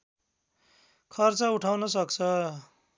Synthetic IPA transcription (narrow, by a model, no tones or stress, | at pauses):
kʰʌrt͡sʌuʈʰawnʌs̬ʌkt͡sʰʌ